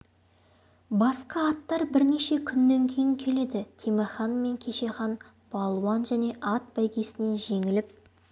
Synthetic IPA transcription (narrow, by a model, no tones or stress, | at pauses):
bɑsqɑɑt̪ːɑɾbɪɾne̞ʃe̞kʲʰʏnːe̞ŋkʲʰejɪŋkʲʰe̞le̞d̪ɪt̪ʰemɪɾχɑnme̞ŋkʲʰe̞ʃe̞χɑn | b̥ɑlˠuwɑnʒæne̞ʔɑt̪̚bæjkʲe̞sɪne̞ʒe̞ŋɪlɪp̚